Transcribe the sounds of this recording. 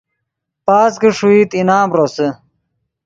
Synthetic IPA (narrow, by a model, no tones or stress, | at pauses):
paːskiʂuiːt̪inaːmɾosə